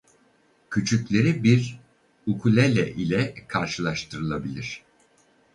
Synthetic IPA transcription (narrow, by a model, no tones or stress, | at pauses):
cʰyt͡ʃʰyclʲe̞ɾibiɾ | ukʰulʲelʲɛʔilʲɛkʰaɾʃɯlˠaʃt̪ʰɯɾɯlˠabilʲiɾ̥